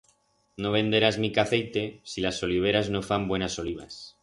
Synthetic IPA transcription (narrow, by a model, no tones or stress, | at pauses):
no̞β̞ẽ̞nd̪e̞ɾazmikaθe̞jt̪e̞silaso̞liβ̞e̞ɾazno̞fambwe̞naso̞liβ̞a̰s